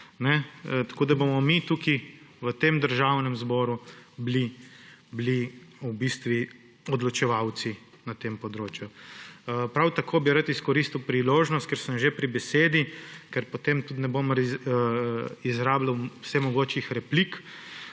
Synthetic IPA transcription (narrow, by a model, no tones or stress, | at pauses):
nɛt̪ḁkoːd̪abomɔmit̪ukiʋət̪emd̪əɾʒawnɛmzbɔːɾublibliubist̪ʋi | ɔd̪lɔt͡ʃɛʋawt̪si | nat̪empɔd̪ɾoːt͡ʃju | pɾawt̪akʰoːbiɾat̪iskɔɾist̪iwpɾiloːʒnɔst̪̚kɛɾsəmʒepɾibɛseːd̪ikɛɾpɔt̪emt̪ut̪nɛbomɾ | izɾaːblawwsɛmɔɡoːt͡ʃixɾɛplik